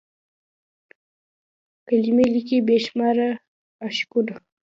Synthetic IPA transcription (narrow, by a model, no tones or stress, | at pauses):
kalimelikibeʃmaɾa | aʃkud̪o